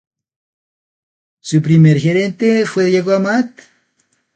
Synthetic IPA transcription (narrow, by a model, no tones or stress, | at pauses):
sup̬ɾimeɾxeɾent̪efweðjeɣoamat̪